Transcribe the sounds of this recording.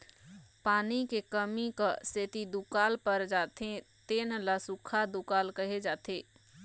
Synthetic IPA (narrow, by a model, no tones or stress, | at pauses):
paːnikekəmikaset̪id̪ukaːlpəɾd͡ʒaːt̪et̪eːnlasukʰad̪ukaːlkəɦed͡ʒaːt̪eː